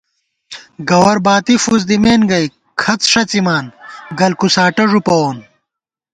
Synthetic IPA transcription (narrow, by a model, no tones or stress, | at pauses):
ɡɐwɐɾbaːt̪ifuz̬d̪imeːnɡɐj | kʰɐt͡sʂɐt͡simaːnɡɐlkusaːʈɐʐupɐoːn